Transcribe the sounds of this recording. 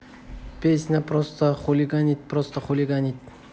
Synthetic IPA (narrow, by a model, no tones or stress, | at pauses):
pʲesʲnʲapɾost̪əχulʲiɡanʲit̪̚pɾost̪əχulʲiɡanʲit̪̚ʲ